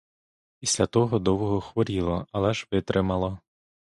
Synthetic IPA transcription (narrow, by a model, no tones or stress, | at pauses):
pʲisʲlʲɐt̪ɔɦɔd̪ɔwɔɦɔxʋɔɾʲilˠɔɐlˠɛʒʋɪt̪ɾʔɪmɐlˠɔ